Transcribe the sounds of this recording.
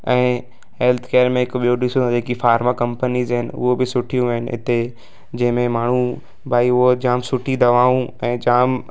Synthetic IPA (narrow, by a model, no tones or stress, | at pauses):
ɛ̃ː | ɦeːlt̪ʰkeːəɾmẽɪkɓijoɖɪsod͡ʑeːkifaːɾmakɐ̃mpənizɦɪnɪʊ̰ɦobɪsʊʈʰijũʋɦnɪɪ̰t̪e | d͡ʑɐ̃ɦɪ̃mẽmaːɳ̤ũ | bʱaːiod͡ʑaːmsʊʈʰid̪ɐʋaːũɛ̃ːd͡ʑaːm